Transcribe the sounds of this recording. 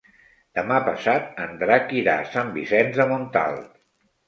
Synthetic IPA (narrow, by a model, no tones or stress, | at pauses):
d̪̥əmapəsat̪ənd̪ɾakiɾa̰sambisɛnzðəmunt̪a̰lˠ